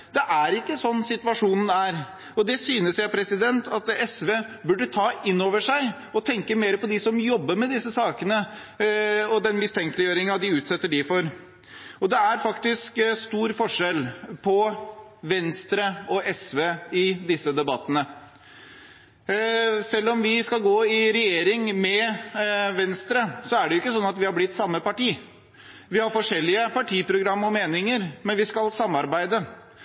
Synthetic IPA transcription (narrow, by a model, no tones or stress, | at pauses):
d̪̥ɛʔæɾɪkːəsɔnːsɪt̪ʉɑʂuːnn̩æɾ | ɔd̪ɛsyːnəsjæɪpʰɾɛsɪd̪ɛnt̪ʰɑt̪ɛsʋeːbʉɖːət̪ʰɑːʔɪnːoːʋəʂæɪ | ɔt̪ʰɛŋkəmeːɾəpɔd̪ɪsɔmjɔbːəɾmɛd̪ɪsːəsɑːkənə | ɔd̪ɛnmɪst̪ʰɛŋklɪjøːɾɪŋɑd̪ɪʉːt̪sɛt̪ːəɖɪfɔɾ | ɔd̪ɛæɾfɑkt̪ɪskst̪uːɾfɔʂɛlpʰɔʋɛnst̪ɾəɔʔɛsʋeːɪd̪ɪsːəd̪ɛbɑt̪ːənə | sɛlːɔmʋɪskɑlɡoːɪɾɛjeːɾɪŋmɛ | ʋɛnst̪ɾəsɔæɖɛjʊɪkːəsɔnːɑt̪ʋɪhɑɾblɪt̪ːsɑmːəpɑʈiː | ʋɪhɑɾfɔʂɛlːɪəpɑʈʰiːpɾʊɡɾɑmːɔmeːnɪŋəɾmɛnʋɪskɑlsɑmːɑɾbæɪd̪ə